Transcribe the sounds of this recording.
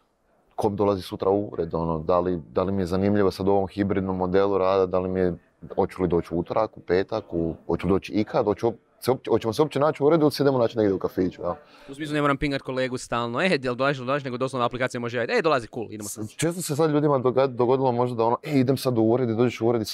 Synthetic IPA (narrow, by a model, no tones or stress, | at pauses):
kʰomd̪o̞lˠazisut̪ɾʔauuɾed̪o̞nod̪alid̪alimije̞zanimʎiʋosad̪uo̞ʋo̞mxibɾid̪no̞mːo̞d̪eluɾaːd̪ad̪alimije | ot͡ʃulid̪oːt͡ʃuut̪oɾakupeːt̪akuot͡ʃulid̪oːt͡ʃiikʰad̪ot͡ʃuop | seop̚t͡ʃot͡ʃemos̬eo̞p̚t͡ʃenaːt͡ʃuɾed̪ulsed̪emonaːt͡ʃind̪aid̪eukafiːt͡ʃujal | usmislune̞moɾampiŋɡat̪̚koleːɡust̪aːlˠnoed̪ald̪olaziʃod̪olaziʃneɡod̪osoaplikaːt̪jamoʒeat̪ed̪olaziʃkuːlḭd̪emost͡ʃeːst̪oses̬ad̪ʎʲuːd̪imad̪oɡo̞d̪ilˠo̞mo̞ʒd̪ad̪ao̞noʔeid̪emsad̪uuɾed̪uid̪o̞ːd͡ʒeʃuuɾe̞d̪i